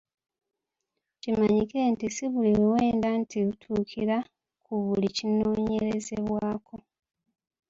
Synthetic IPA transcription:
cimaɲike̞ntisiβuliwuwe̞ːndantʰiβutʰuːkʰiɾa | kʰuβulicino̞ːɲe̞ɾe̞zeβwaːko̞

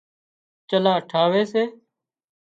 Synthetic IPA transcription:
t͡ʃəlaːəʈʰaːʋeːseː

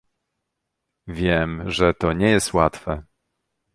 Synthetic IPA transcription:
vʲjɛmʐɛt̪ɔɲɛjɛst̪wat̪fɛ

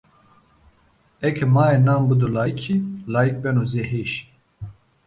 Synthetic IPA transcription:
ɛkʰɛmaːɛnaːmbɨd̪ulaːjkʰilaːjik̚bɛnuːzeɦeːʃ

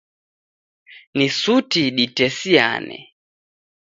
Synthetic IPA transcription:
nisutiɗitɛsia̰nɛ̰

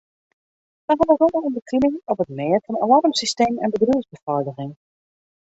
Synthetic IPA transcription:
dəɦɔnərɔləɔmdəkʰinɪŋɔpətmɪːrfɑna̰lɑrmsisteːmɛ̰nbədruəzbəfɔrdəɣɪŋ

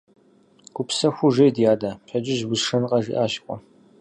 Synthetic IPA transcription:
kʷʊpsɐxʷʊʐɐjdjaːdaːɕʰʼɐd͡ʒɪʒbʊsʂɐnqʼɐʒḭʔaːɕkʷʼɔ

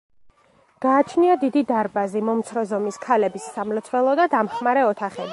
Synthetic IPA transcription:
ɡ̥aːt͡ʃʰniad̪id̪id̪aɾbazimɔmt̪sʰɾɔzɔmiskʰalɛbisːamlɛt̪sʰvɛlˠɔd̪ad̪amχmaɾɛɔt̪ʰaχɛbi

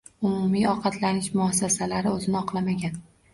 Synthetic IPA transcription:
ʊmʊmiɒqʰɑt̪ʰlanɪʃmʊasːasalaɾɪɵzɪnɪɒqʰlˠamaɡʲan

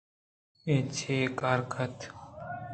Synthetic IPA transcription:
et͡ɕʰeːkaːɾkʰɐt̪

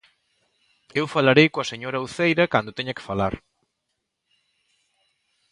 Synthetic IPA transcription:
ewfalaɾejkoɐseɲoɾɐuθejɾɐkand̪ʊt̪eɲɐkɪ̥falaɾ

